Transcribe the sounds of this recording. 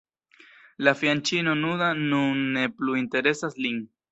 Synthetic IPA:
lafjant͡ʃino̞nudanunːe̞pluinte̞ɾe̞saslin

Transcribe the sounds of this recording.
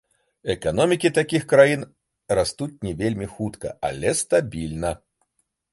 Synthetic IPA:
ɛkanɔmʲikʲit̪akʲixkɾajin | rast̪ut͡sʲnʲɛvʲelʲmʲixut̪kɐ̰a̰lʲɛst̪abʲilʲnɐ

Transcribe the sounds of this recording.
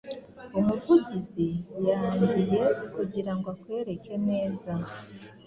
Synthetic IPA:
omuɾvuɟizijaɲɟije̞kuɟiɾaŋɡakwe̞ːɾe̞ke̞ne̞ːza

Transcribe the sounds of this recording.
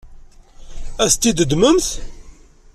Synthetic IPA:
æst̪ːid̪əd̪məmθ

